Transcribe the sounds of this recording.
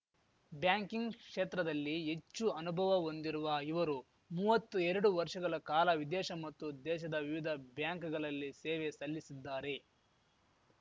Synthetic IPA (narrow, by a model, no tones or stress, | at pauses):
bjaːŋkiŋɡkʂeːt̪ɾɐd̪ɐlːie̞t͡ʃːuɐnubʱɐʋɐond̪iɾuʋɐiʋɐɾu | muːʋɐt̪ːuɛɾɐɽuʋɐɾʂɐɡɐɭɐkaːlɐʋid̪ɛːʃɐmɐt̪ːud̪ɛːʃɐd̪ɐʋiʋid̪ʱɐbjaːŋkɡɐɭɐlːisɛːʋesɐlːisid̪ːaːɾe̞